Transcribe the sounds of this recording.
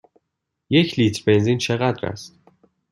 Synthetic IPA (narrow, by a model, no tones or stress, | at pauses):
jecʰliːt̪ʰɾbe̞nzint͡ʃʰe̞ɣæd̪ɾæ̰st̪